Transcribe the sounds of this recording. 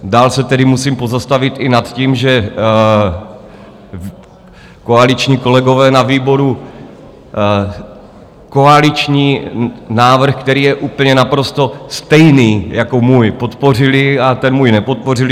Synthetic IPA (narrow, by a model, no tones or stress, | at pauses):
daːlsɛt̪ɛdɪmusiːmpo̞zast̪avɪt̪ɪnat̪ciːmʒɛ | koalɪt͡ʃɲiːko̞lɛɡo̞vɛːnaviːbo̞ɾu | ko̞alɪt͡ʃɲiːnaːvr̩xkt̪ɛɾiːjɛʔuːpl̩ɲɛnapɾo̞st̪o̞st̪ɛjniːjakomuːjpo̞t̪po̞r̝ɪlɪat̪ɛnmuːjnɛpo̞t̪̚po̞rɪl